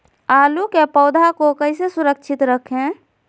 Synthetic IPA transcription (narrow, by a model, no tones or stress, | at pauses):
aːlukepɔːd̪ʱakokəɪsesʊɾəkʃʰɪt̪ɾəkʰɦẽ